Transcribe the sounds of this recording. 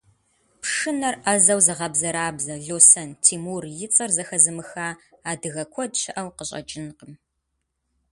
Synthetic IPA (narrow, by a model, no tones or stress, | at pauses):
pʂɨnɐrʔɐzɐwzɐʁɐbzɐɾaːbzɐɮoːsɐntʰiːmuːrjɪt͡sʼɐrzɐxɐzɨmɨxaːaːdɨɣɐkʷʰɔdɕɪʔɐwqəɕʼɐ̰d͡ʒʼɪnqəm